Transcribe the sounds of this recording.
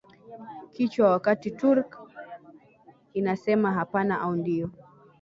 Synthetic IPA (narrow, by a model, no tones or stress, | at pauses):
kit͡ʃwawakatituɾk | inasɛmaɦapanaʔaundiɔ